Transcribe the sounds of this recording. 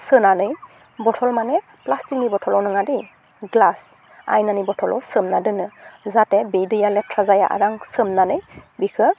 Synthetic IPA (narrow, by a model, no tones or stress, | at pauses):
sɯnanɯj | bɔtʰɔlmanɛ | plastik̚nibɔtʰɔlɔnɯŋadi | ɡlas | a̰jnanibɔtʰɔlɔ̰sɯmnadɯnɯzatɛbejdɯjalɛtʰɾazaja̰ʔa̰daŋsɯmnanɯjbikʰɯ